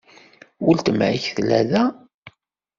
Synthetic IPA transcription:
wʊlt̪əmʕiçθlæ̰ðæ

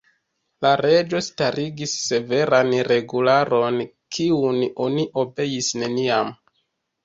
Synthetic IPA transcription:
laɾe̞d͡ʒo̞staɾiɡisːe̞ve̞ɾanɾe̞ɡulaɾʔo̞n | kʰiuno̞niʔo̞be̞jisne̞niam

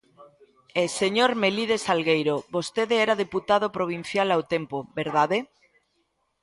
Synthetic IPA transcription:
eseɲoɾmeliðesalɣejɾoβost̪eðeɛɾaðeput̪aðopɾoβ̞in̟θjalawt̪empobeɾðaðe

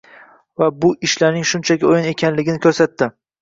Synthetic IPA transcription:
vabʊʔɪʃlaɾnɪŋʃʊnt͡ʃʰakʲɪojɪne̞kʲʰanlɪɡʲɪnɪkʲʰɵɾsat̪ːɪ

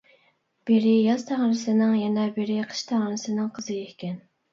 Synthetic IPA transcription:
b̥eɾɪjɑzt̪ʰæʁɾɨsɨnɨŋjɛnɛbeɾɪqʰə̥ʃt̪ʰæʁɾɨsɨnɨŋqʰəzɨjehkʲɛn

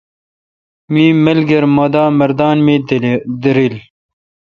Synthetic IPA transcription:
miːmɐlɡɐɾmod̪aːmɐɾd̪aːnmed̪iɾil

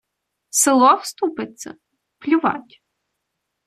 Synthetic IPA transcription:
sɪlˠɔwst̪upɪt͡s̪ʲːɐ̰ | plʲʊʋɑ̰tʲ

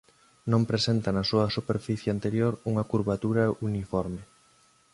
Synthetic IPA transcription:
nõmpɾesent̪ɐnɐsuɐsupeɾfiθjeant̪eɾjoɾuŋɐkuɾβat̪uɾɐʔunifɔɾme

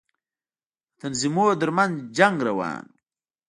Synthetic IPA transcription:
t̪ɐnzimoːd̪əɾmɐnzd͡ʒaŋɡɾɐwa̰ːn

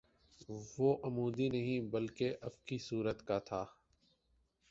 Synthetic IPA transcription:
ʋoʔɐmuːd̪inɐɦĩbɐlkeʔɐbkisuːɾət̪kat̪ʰaː

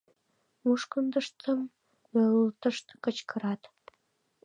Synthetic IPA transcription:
muʃkənd̪əʂt̪əm | mølt̪əʃt̪kə̆t͡ɕkə̆ɾɑt̪

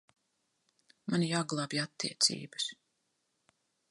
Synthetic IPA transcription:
manijaɡlˠabiat̪ːḭːɛt̪sʲḭːbəs

